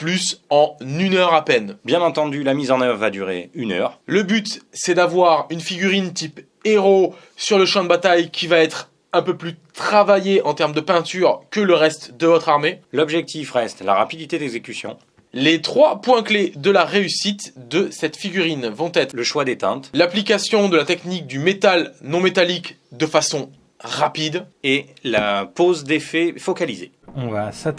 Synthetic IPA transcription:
plysɑ̃nynœʁapɛnbjɛ̃nɑ̃t̪ɑ̃d̪ylamizɑ̃nœvʁvad̪yʁḛynœ̰ːʁləbyt̪sɛd̪avwaʁynfiɡʲyʁint̪ip | eʁo | syʁləʃɑ̃d̪əbat̪ajkʲivaɛt̪χ | ɛ̃pøplyt̪χavajeʔɑ̃t̪ɛʁmd̪əpɛ̃t̪yʁkələʁɛst̪d̪əvɔt̪χaʁmelɔbʒɛk̚t̪ifʁɛst̪la̰ʁa̰pid̪it̪ed̪ɛɡzekʲysjɔ̰̃ | let̪χwapwɛ̃kled̪əlaʁeysit̪d̪əsɛt̪fiɡʲyʁinvɔ̃t̪ɛt̪χləʃwad̪et̪ɛ̰̃t̪laplikasjɔ̃d̪əlat̪ɛknik̚d̪ymet̪alnɔ̃met̪alik | d̪əfasɔ̃ | ʁapid̪elapozd̪efɛfɔkalizḛ | ɔ̃vasa

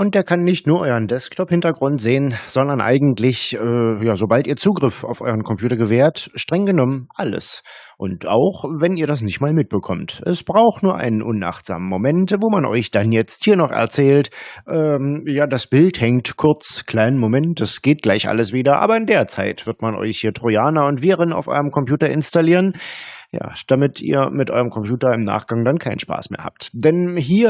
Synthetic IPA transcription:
ʔʊnt̚d̥eːɐkʰanːɪçtnuːɐʔɔʏəndɛsktʰɔphɪntɐɡʁʊntz̥eːənz̥ɔndɐnʔa̰ɪɡŋ̩tlɪçʔɛːjaːzobaltiːɐt͡suːɡʁɪfa̰ʊfʔɔʏʁənkʰɔmpʰjuːtɐɡəveːɐtʃtʁ̥ɛŋɡənɔmənʔalə̰s | ʔʊ̰nta̰ʊxvɛniːɐɾas̬nɪçtmaːlmɪt̚b̥əkʰɔmtʔɛsb̥ʁaʊxtnuːɐʔa̰ɪnənʔʊnʔa̰χtz̥a̰ːmənmomɛntvoːmanʔɔ̰ʏçd̥anjɛt͡sthiːɐnɔχɛ̰ɐt͡sɛːltʔɛːjaːdasb̥ɪlthɛŋtkʰʊɐt͡skʰl̥aɪnəmomɛntdasɡ̥eːt̚ɡ̥laɪçʔa̰ləsv̥iːdɐʔa̰ːbɐɪndeːɐt͡sa̰ɪtv̥ɪɐtmanʔɔ̰ʏçhiːɐtʁ̥ojaːnaʊntv̥iːʁəna̰ʊfʔɔ̰ʏʁəmkʰɔmpj̥uːtɐɪnstaliːʁənja̰ːd̥amɪtʰḭːɐmɪtʔɔ̰ʏʁəmkʰɔmpj̥uːtɐɪmna̰ːχɡ̥aŋdankʰaɪnən̩ʃpa̰ːsmḛːɐha̰ːp̚td̥ɛnɦiːɐ

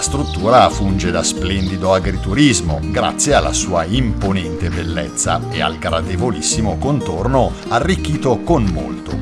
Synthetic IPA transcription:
ast̪ɾut̪ːuːɾafund͡ʒed̪asplɛnd̪id̪oaɡɾit̪uɾizmo̰ɡɾa̰t̪sːjealːa̰suːaimponɛnt̪ebelːɛ̰t̪sːa̰ea̰lɡɾad̪evolisːimokont̪orno | arːikːiːt̪okonmːo̰lt̪o

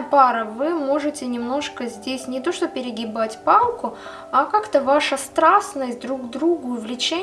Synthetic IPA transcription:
paɾəvɨmo̞ʐɨtʲɪnʲɪmno̞ʂkəzʲdʲesʲnʲɪt̪o̞ʂt̪opʲɪɾʲɪɡʲɪbatʲpalˠkʊ | akakt̪əvaʂəst̪ɾasnəsʲt̚ʲd̪ɾuɡd̪ɾuɡʊʊvlʲɪt͡ɕe

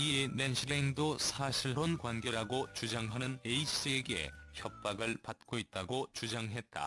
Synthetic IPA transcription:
ienenɕʰiɾeeŋdosʰaɕʰiɭonkwanɡeɾaɡot͡ɕud͡ʑaŋɦanɯneiɕ͈ie̞ɡe̞̰çjʌp̚p͈aɡɯɭpat̚k͈oit̚t͈aɡot͡ɕud͡ʑaŋɦe̞t̚t͈a̰

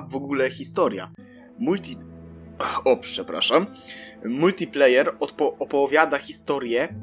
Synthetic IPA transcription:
vɔɡulɛxʲist̪ɔɾʲja̰ | mult̪ʲi | ɔpʂɛpɾa̰ʂamː | ult̪ʲiplɛjɛɾɔɔɔpɔvʲjad̪axʲist̪ɔɾʲjɛ

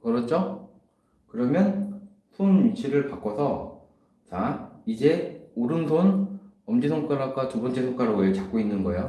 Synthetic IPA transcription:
kɯɾʌt͡ɕ͈o | kɯɾʌmjʌn | pʰunut͡ɕʰiɾɯɭpak͈ʌsʰʌ | t͡ɕaid͡ʑe̞oɾɯndon | ʌmd͡ʑisʰoŋk͈aɾak͈atubʌnt͡ɕ͈esʰoŋk͈aɾoɡɯɭt͡ɕak͈̚oinːɯnɡʌejo

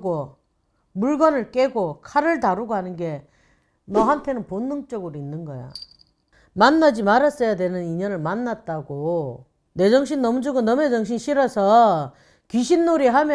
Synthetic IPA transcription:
ɡo | muɭɡʌnɯɭk͈e̞ɡokʰaɾɯɭtaɾuɡoɦanɯnɡe̞ | nʌɦantʰe̞nɯnponːɯŋt͡ɕ͈ʌɡɯɾoinːɯnɡʌjo̰ | manːad͡ʑimaɾas͈ʌjadwe̞nɯniɲʌnɯɭmanːat̚t͈aɡo | ne̞d͡ʑʌŋɕʰinːʌmud͡ʑɯɡonʌmed͡ʑʌŋɕ̬ʰinɕʰiɾʌsʰʌ | kiɕʰinːoɾiɦamj

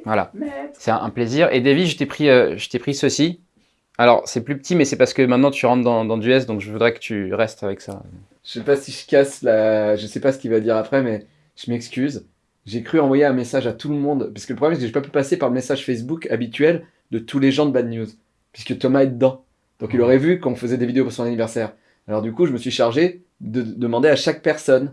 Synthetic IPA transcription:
vwala̰sɛʔɛ̰̃pleziʁʔḛd̪aviʒət̪epχiøʒət̪epχisəsi | alɔʁsɛplypə̥t̪ʰimɛsɛpaʁsə̥kəmɛ̃t̪nɑ̃t̪yʁɑ̃t̪d̪ɑ̃d̪ɑ̃d̪yɛsd̪ɔ̃kʒəvud̪ʁɛkə̥t̪ʰyʁɛst̪avɛksa̰ | ʒəsɛpasiʒəkʲaslaʒəsɛpasə̥kʲivad̪iʁapχɛmɛ | ʒ̥əmɛkskʲyz | ʒekχyɑ̃vwajeɛ̃mesaʒat̪ʰuləmɔ̃d̪pasə̥kələpʰχɔblɛmsɛkəʒepapypasepaʁləmesaʒfɛs̬bukabit̪ɥɛl | d̪ət̪ʰuleʒɑ̃d̪əbad̪njuz | pɥiskət̪ɔmaɛd̪əd̪ɑ̃ | d̪̥ɔ̃kilɔʁɛvykɔ̃fəzɛd̪evid̪eopuʁsɔ̃nanivɛʁsɛʁ | alɔʁd̪ykuʒəməsɥiʃaʁʒe | d̪əd̪əmɑ̃d̪eaʃak̚pɛʁsɔn

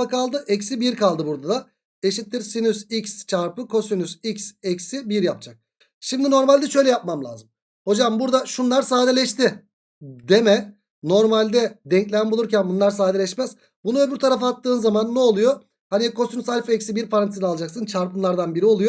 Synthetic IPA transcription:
akalˠd̪ɯʔɛcsibiɾkʰalˠd̪ɯbuɾd̪ad̪a | eʃit̪ːiɾsinysicst͡ʃʰaɾpɯkʰo̞synysicsɛcsibiɾjap̚d͡ʒʰak̚ | ʃimd̪ino̞ɾmalʲd̪ɛʃø̞jlʲɛjap̚mamlʲˠa̰ːzɯm | ho̞d͡ʒambuɾd̪aʃunlˠaɾsaːd̪elʲɛʃt̪ɪ | d̪emɛ | no̞ɾmalʲd̪ɛd̪ɛɲclʲæjænbulˠuɾcænbunlˠaɾsaːd̪elʲɛʃmɛz̥ | bunuøbyɾt̪ʰaɾafaat̪ːɯːnzamanːɛolˠujo | hanikʰo̞synysalʲfɛcsibiɾpʰaɾanisinalˠad͡ʒaksɯnt͡ʃʰaɾpɯnˠaɾd̪anbiɾio̞lˠujo

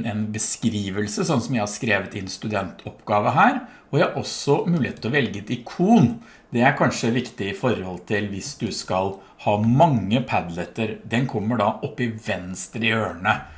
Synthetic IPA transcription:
ɛnbəskɾiːʋəlsəsɔnːsɔmjæɪhɑɾskɾeːʋət̪ɪɛnst̪ʉd̪ɛnt̪ʰɔpɡɑːʋəɦæːɾ | ɔjæɪhɑɾʔɔsːɔmʉːlɪeːt̪ːɔʋɛlɡəɛt̪ɪkʰuːn | d̪ɛæɾkʰɑnʂəʋɪkt̪ɪɪfɔɾhɔlt̪ʰɪlʋɪsd̪ʉskɑl | hɑːmɑŋːəpʰæd̪lət̪əɾd̪ɛnkʰɔmːəɖɑʔɔpːɪʋɛnst̪ɾɪøːɳə

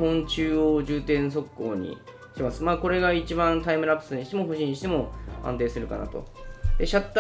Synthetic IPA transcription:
hõ̞ɲt͡ɕɨːod͡ʑɨːt̪ẽ̞ɰ̃s̬o̞kːo̰ːɲ̟ḭ | i̥t̪e̞masɨmaːko̞ɾe̞ɡait͡ɕibãnt̪aimɯɾapːɯ̥sɨɲiɕi̥t̪emo̞ɦo̞ɕĩɲiɕi̥t̪emo̞ã̰nt̪̬eːsɨɾɯ̟kana̰t̪o̞̰d̪̥e̞ɕat̪ː

